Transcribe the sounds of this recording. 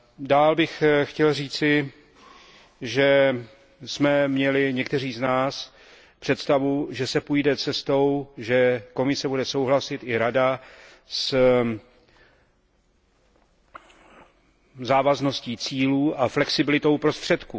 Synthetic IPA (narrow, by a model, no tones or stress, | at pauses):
daːlbɪxxcɛlriːt͡sɪ | ʒɛ | smɛmɲɛlɪɲɛkt̪ɛriːznaːs | pr̝̥ɛt̪st̪avuʒɛsɛpujdɛt͡sɛst̪o̞wʒɛko̞mɪsɛbudɛso̞wɦlasɪt̪ɪɾada | s | zaːvazno̞sciːt͡siːluːʔaflɛksɪbɪlɪt̪o̞wpɾo̞st̪r̝̥ɛt̪kuː